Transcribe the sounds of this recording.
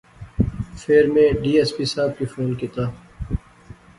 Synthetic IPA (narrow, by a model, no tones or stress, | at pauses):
feːɾmẽɖiːeːspiːsaːb̚kifoːnkit̪aː